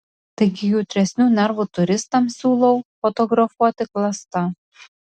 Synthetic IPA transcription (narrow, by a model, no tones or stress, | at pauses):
t̪ɐɪɡʲɪjuːt̪ʲɾʲɛsʲnʲuːnʲɛɾʋut̪ʊɾʲɪst̪ɐmsʲuːlˠɐʊfɔt̪ɔɡɾɐfuɔt̪ʲɪklˠɐst̪ɐ